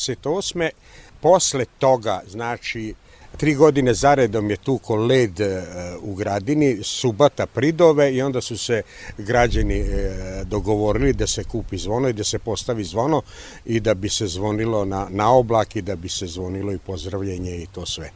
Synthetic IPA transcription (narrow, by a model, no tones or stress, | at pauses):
set̪osme | po̞slet̪o̞ɡaznaːt͡ʃi | t̪ɾiːɡo̞d̪inezaɾed̪omjet̪uːkʰoleːd̪uɡɾad̪inisubat̪apɾid̪oʋeio̞nd̪asuse | ɡɾad͡ʑanid̪oɡo̞ʋo̞ɾilid̪ase̞kuːpizʋo̞noid̪ase̞po̞st̪aʋizʋono | id̪abisezʋo̞nilo̞nanao̞blaːkid̪abisezʋo̞nilo̞ipo̞zɾaʋʎeɲeit̪o̞ːsʋe